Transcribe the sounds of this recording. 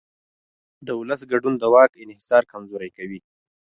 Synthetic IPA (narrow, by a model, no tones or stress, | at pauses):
d̪əʊləs̬ɡaɖund̪əwɑkɪnhɪsɑɾkamzoɾajkawi